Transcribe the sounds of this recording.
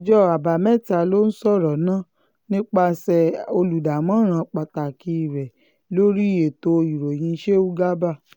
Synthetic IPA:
d͡ʒɔ˦a˨ba˨mɛ˦˨ta˧˨lo˦n̩˦sɔ˦˨ɾɔ˨nã˦˨ | nĩ˦k͡pa˧sɛ˨o˧lu˨da˨mã˨˦ɾ̃ã˧˦k͡pa˨ta˨ki˧˦˨ɾɛ˨ | lo˦ɾi˦˨je˨to˧i˨ɾo˨j̃ĩ˧˦ʃe˦u˦ɡa˦ba˦˨

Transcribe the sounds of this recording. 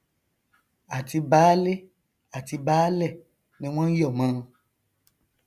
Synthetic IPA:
a˨ti˧baː˨˦le˦ | a˨ti˧baː˦lɛ˦˨ | nĩ˦w̃ɔ̃˦n̩˦jɔ˦˨mãː˧˦˧

